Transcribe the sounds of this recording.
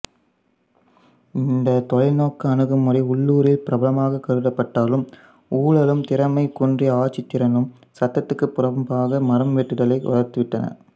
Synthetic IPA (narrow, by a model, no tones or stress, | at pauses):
ɪnd̪ɐt̪ɔɻɐɪnoːkːɯɐnɯɣɯmːʊriʊɭːuːɾɪlpɪɾɐbɐlɐmaːɣɐkːɐɾɯɽɐpːɐʈːaːlɯm | uːɭɐlɯmt̪ɪɾɐmɐɪkundriaːt͡ʃːɪt̪ːɪɾɐnɯm | sɐt̪ːɐt̪ːɯkːɯpːʊɾɐʋɐmpaːɣɐmɐɾɐmʋɛʈːɯɽɐlɐɪʔɔ̰lɐɾt̪ɯʋɪʈːɐnɐ̰